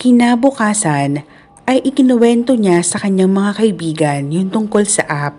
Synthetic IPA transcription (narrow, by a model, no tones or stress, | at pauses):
kɪnaːbʊkaːsɐn | ʔɐjʔɪkɪnɐwɛnt̪o̞ɲasɐkɐɲːaŋmɐŋakɐʔɪbiːɡɐnjʊnt̪ʊŋko̞lsɐʔap̚